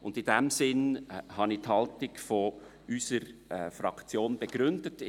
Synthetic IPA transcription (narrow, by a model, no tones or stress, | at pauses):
ʊndɪdɛmsɪnhɑnithɑltɪɡfɔ | ysəɾɛfɾɑkt͡sjoːnb̥eɡ̥ɾʏndət